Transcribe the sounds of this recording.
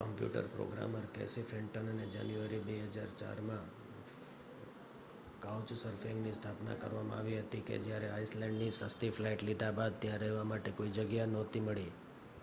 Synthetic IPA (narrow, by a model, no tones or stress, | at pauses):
kəmpjṵʈə̰ɾpɾo̰ɡɾa̰məɾkḛsifeɳʈənəned͡ʒa̰njuʋəɾibeɦəd͡ʒaɾt͡ʃa̰ɾmã | kawt͡ʃsəɾfɪ̃ŋɡnist̪ʰapna̰kə̰ɾʋamã̰aʋiɦət̪ikḛd͡ʒjaɾeaislɛ̃ɳɖnisəst̪iflaiʈlid̪abad̪̚t̪jãɾəɦʋamaʈekoid͡ʒəɡjanɔt̪iməɭi